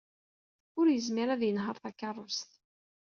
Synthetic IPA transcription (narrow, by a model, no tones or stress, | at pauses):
ʊɾjəzmiɾæðjənɦəɾθækːɑrˤːʊst̪